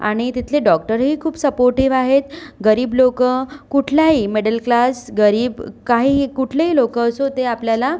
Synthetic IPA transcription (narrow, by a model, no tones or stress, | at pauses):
a̰ɽ̃it̪it̪ʰleɖɔk̚ʈəɾɦiːkʰuːbsəpoɾʈiʋaɦet̪ɡəɾiːblokəkuʈʰljaɦiːmeɽəlklasɡəɾiːbkaɦiːkuʈʰleɦiːlokəːsot̪eapljala